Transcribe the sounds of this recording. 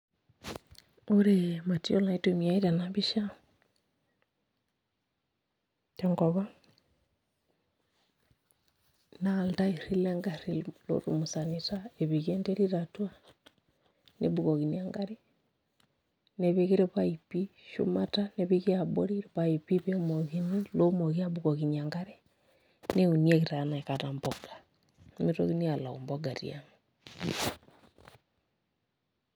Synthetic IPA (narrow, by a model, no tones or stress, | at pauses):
oɾemationaitomiaiɾanaβiʃa | teŋɡoβa | naltaiɾileŋɡaɾillo̰ɾumusanitaeβiɣendeɾiɾatwa | nḛβuɣoɣiniaŋɡaɾi | neβeɣiɾeβaipiʃṵmataneβiɣjaboɾiɾβaipiβemoɣinilomoɣiaβuɣoɣiɲiaŋɡaɾe | neunieɣiɾanaekatamboɡ̥ḁ | mito̰ɣinialao̰mboɡaɾḭa̰ŋa